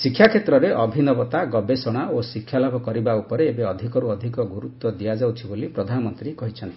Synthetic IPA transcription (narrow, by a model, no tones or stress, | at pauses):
sikʰːjakʰet̪ɾɔɾeʔɔbʱinɔbɔt̪aɡɔbesɔɽ̃aosikʰːjalabʱɔkɔɾibaupɔɾeːbeɔd̪ʱikɔɾuɔd̪ʱikɔɡuɾut̪wɔd̪iad͡ʒawt͡ʃʰibolipɾɔd̪ʱanɔmɔnt̪ɾikɔɦit͡ʃʰɔnt̪e̥